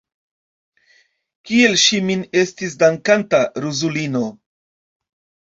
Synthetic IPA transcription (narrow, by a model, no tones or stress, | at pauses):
kie̞lʃimine̞stis̬daŋkantaɾuzulino̞